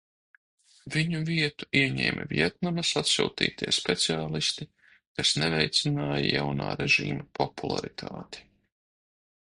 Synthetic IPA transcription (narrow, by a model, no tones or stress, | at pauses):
viɲuviɛt̪u̥iɛɲɛ̰ːmʲʔɛ̰vʲiɛt̪̚namasat̪sṵːt̪ḭːt̪ʰiɛspɛt̪siaːlˠist̪i | kasnɛvɛjt̪sinaːjajawnaːɾeʒiːmapɔpulˠa̰ɾit̪ʰaːt̪i̥